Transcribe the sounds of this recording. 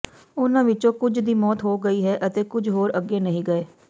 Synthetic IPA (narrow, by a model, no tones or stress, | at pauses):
ʊnãːʋɪt͡ʃõːkʊd͡ʒd̪iːmɔːt̪ɦoːɡəiːɦɛːʔət̪eːkʊd͡ʒʱɦoːɾəɡeːnəɦĩːɡəeː